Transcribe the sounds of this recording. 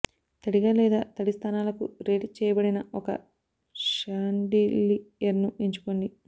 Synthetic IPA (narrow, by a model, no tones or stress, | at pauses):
t̪ɐɽiɡaːlɛːd̪aːt̪ɐɽist̪ʰaːnaːlɐkuɾeːʈit͡ʃɛːjɐbɐɽinɐɔkɐ̰ | ʃaːɳɖiliɐɾnuiɲt͡ʃu̥ko̞ɳɖi